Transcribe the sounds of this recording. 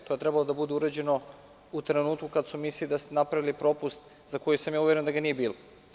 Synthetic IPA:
t̪o̞je̞t̪ɾɛbalˠo̞d̪abud̪euɾad͡ʑe̞no̞ | ut̪ɾenuːt̪kukad̪sumislilid̪ast̪enapɾavilipɾo̞pust̪ | z̥ako̞jusamjauje̞ɾend̪aɡanijebiːlo

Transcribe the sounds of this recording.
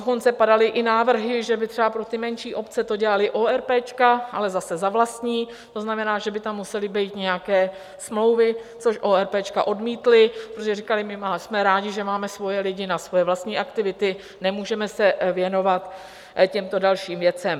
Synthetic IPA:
doko̞nt͡sɛpadalɪʔɪnaːvr̩ɦɪʒɛbɪt̪r̥ɛbapɾot̪ɪmɛnʃiːʔo̞pt͡sɛt̪o̞ɟɛlalɪʔoːɛɾpɛːt͡ʃkaʔalɛzasɛzavlast̪ɲiː | t̪o̞znamɛnaːʒɛbɪt̪amːusɛlɪbɛjt̪ɲɛjakɛː | smlo̞wvɪt͡so̞ʃʔo̞ɛɾpɛːt͡ʃkaʔo̞dmiːt̪lɪpɾot̪oʒɛrikalɪmɪmasmɛɾaːɟɪʒɛmaːmɛsvo̞jɛlɪɟɪnasvo̞jɛvlast̪ɲiːʔakt̪ɪvɪt̪ɪ | nɛmuːʒɛmɛsɛvjɛno̞vat̪ | cɛmt̪o̞dalʃiːmvjɛt͡sɛm

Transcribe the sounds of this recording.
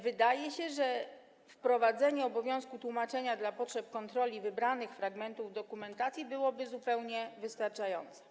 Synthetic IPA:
vɘd̪ajɛɕɛʐɛ | fpɾɔvad̪zɛɲɛɔbɔvʲjɔ̃w̃skut̪wumat͡ʂɛɲad̪lapɔtʂɛp̚kɔnt̪ɾɔlʲivɘbɾanɘxfɾaɡmɛnt̪uvd̪ɔkumɛnt̪at̪sʲjibɘwɔbɘzupɛwɲɛvɘst̪aɾt͡ʂajɔ̰nt̪sɛ̥

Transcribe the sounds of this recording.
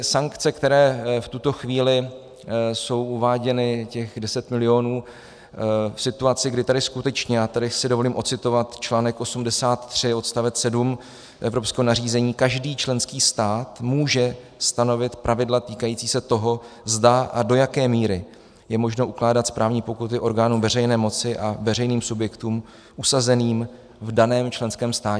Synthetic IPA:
saŋkt͡sɛkt̪ɛɾɛːft̪ut̪o̞xviːlɪ | so̞wuvaːɟɛnɪcɛɣdɛsɛt̪mɪlɪjo̞nuː | fsɪt̪uat͡sɪɡdɪt̪adɪskut̪ɛt͡ʃɲɛjaːt̪adɪsɪdovo̞liːmʔo̞t̪t͡sɪt̪o̞vat̪t͡ʃlaːnɛkʔo̞sumdɛsaːt̪ːr̝̥ɪo̞t̪st̪avɛt̪sɛdum | ʔɛvɾo̞pskɛːɦonar̝iːzɛɲiːkaʒdiːt͡ʃlɛnskiːst̪aːt̪muːʒɛ | st̪ano̞vɪt̪pɾʔavɪdlat̪iːkajiːt͡siːsɛt̪o̞ɦo̞zdaʔado̞jakɛːmiːɾɪ | jɛmo̞ʒno̞ʔuklaːdat̪spɾʔaːvɲiːpo̞kut̪̬ɪʔo̞ɾɡaːnuːmvɛr̝ɛjnɛːmo̞t͡sɪʔavɛrɛjniːmsubjɛkt̪uːm | ʔusazɛniːm | vdanɛːmt͡ʃlɛnskɛːmst̪aːɛ

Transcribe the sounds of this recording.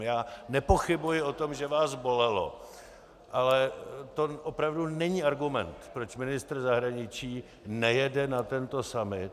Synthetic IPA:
jaːnɛpo̞xɪbujɪʔo̞t̪o̞mʒɛvaːsvo̞lɛlo̞̰ | ʔalɛt̪o̞ʔopɾavdunɛɲiːʔaɾɡumɛ̰nt̪pɾo̞t͡ʃmɪnɪst̪ɾzaɦɾaɲɪt͡ʃiː | nɛjɛdɛnat̪ɛnt̪o̞samɪt̪

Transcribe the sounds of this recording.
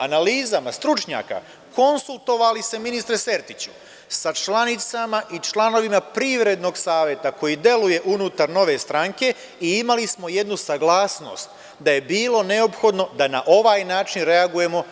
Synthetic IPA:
analiːzamast̪ɾut͡ʃɲa̰ːka̰ | ko̞nsulˠt̪o̞ʋalise̞minist̪ɾese̞ɾt̪it͡ɕu̥ | sat͡ʃlanit̪samaʔit͡ʃlˠano̞ʋimapɾiːʋɾe̞d̪no̞ɡsaːʋje̞t̪ako̞jid̪je̞luje̞ʔunuːt̪aɾno̞ʋe̞st̪ɾaŋke̞ | iimalismo̞je̞d̪nusaɡlˠaːsno̞̰st̪ | d̪aje̞biːlˠo̞ne̞o̞pxo̞d̪no̞d̪anaʔo̞ʋaːjnaːt͡ʃinɾe̞aɡuje̞mo̞

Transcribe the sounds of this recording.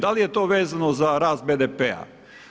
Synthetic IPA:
d̪alijet̪o̞ːʋeːzanozaɾaːst̪̚bed̪epea̰

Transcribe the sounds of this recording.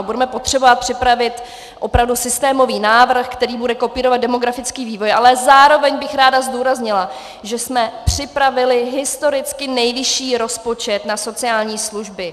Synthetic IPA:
budɛmɛpot̪r̝̥ɛbovat̪̚pr̥ɪpɾavɪt̪ | ʔo̞pɾavdusɪst̪ɛːmo̞viːnaːvr̩xkt̪ɛɾiːbudɛkopiːɾovad̪dɛmo̞ɡɾafɪt͡skiːviːvo̞jʔalɛzaːɾo̞vɛɲbɪxɾaːdazduːɾazɲɪla | ʒɛsmɛpr̝̥ɪpɾavɪlɪɦɪst̪o̞ɾɪt͡skɪnɛjvɪʃiːɾo̞spo̞t͡ʃɛt̪naso̞t͡sɪaːlɲiːsluʒbɪ

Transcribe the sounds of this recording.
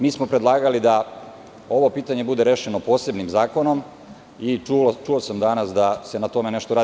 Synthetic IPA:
miːsmo̞pɾed̪lˠaːɡalid̪a | o̞ʋo̞piːt̪aɲe̞bud̪e̞ɾe̞ːʃe̞nopo̞ːse̞bnimzaːko̞no̞m | it͡ʃuosamd̪anasd̪ase̞nat̪o̞me̞ne̞ʃt̪oɾaː

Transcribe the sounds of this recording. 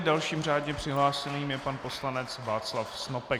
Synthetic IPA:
dalʃiːmr̝aːdɲɛpr̥ɪɦlaːsɛniːmjɛpanpo̞slanɛt͡svaːt͡slafsnopɛ

